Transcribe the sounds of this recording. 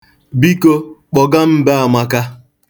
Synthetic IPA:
bi˦ko˦k͡pɔ˨ɡa˦m̩˦ba˦a˨ma˦ka˦

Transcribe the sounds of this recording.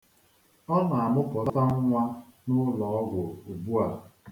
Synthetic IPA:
ɔ˦na˨a˨mʊ˦pʊ˨ɾɔ˦ta˦ŋ˦ŋʷa˦nʊ˦lɔ˨ɔ˦ɡʷʊ˨u˨bu˦a˨

